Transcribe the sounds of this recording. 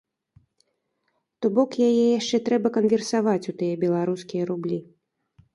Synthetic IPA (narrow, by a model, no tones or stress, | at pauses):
t̪ɔbɔkjajɛjaʂt͡ʂɛt̪ɾɛbɐkɐnvʲɛrsavat͡sʲut̪ɨjɛbʲɛlˠaɾuskʲijɐɾublʲi